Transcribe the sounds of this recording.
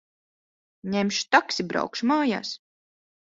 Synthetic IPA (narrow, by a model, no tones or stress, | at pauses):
ɲɛmʃt̪aksibɾa̰wkʃmaːja̰ːs